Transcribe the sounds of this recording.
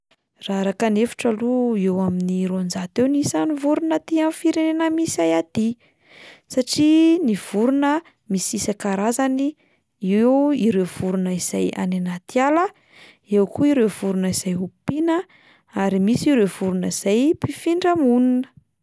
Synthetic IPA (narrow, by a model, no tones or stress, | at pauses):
raɾakənefu̥ʈ͡ʂəluewaminiɾond͡zat̪ewnisanivuɾunət̪ianfiɾenenəmisiajad̪̥i | saʈ͡ʂiniv̥uɾunə | misisakaɾazani | ewiɾewv̥uɾunəiz̥aja̰nenat̪ialə | ewkʰuiɾewv̥uɾunəiz̥ajupinə | aɾimisiɾewv̥uɾunəiz̥ajpifiɳɖ͡ʐəmununə̥